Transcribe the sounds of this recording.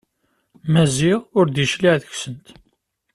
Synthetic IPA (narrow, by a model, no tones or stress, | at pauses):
mæziʁʊɾd̪jəʃliʕðəçsənt̪